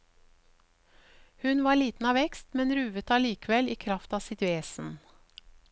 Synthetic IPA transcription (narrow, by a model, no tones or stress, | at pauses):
hʉnʋɑːɭiːt̪n̩ɑːʋɛkst̪mɛnɾʉːʋət̪ɑːliːkəʋɛliːkʰɾɑft̪ɑːsɪt̪ʋeːsn̩